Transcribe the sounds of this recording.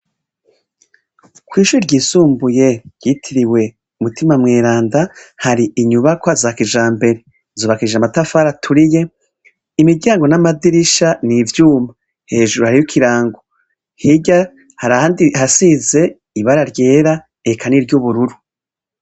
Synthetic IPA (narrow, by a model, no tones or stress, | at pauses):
kwiːʃuɾiɾɟiːsuːmbuje̞ɾjitʰiɾiwe̞ | umutimamŋeːɾaːndahaɾiʔiɲuβakohazaːkiʒaːmbe̞ɾe̞ | zuːβakiʒamatafaɾatʰuɾije̞ | imiɾɟaːŋɡo̞namadiɾiʃanivjuːma | he̞ːʒuɾuhaɾijukʰiɾaːŋɡo | hiɟa | haɾahandihasize̞ | iβaɾaɾje̞ːɾa | ekʰaniɾɟuβuɾuɾu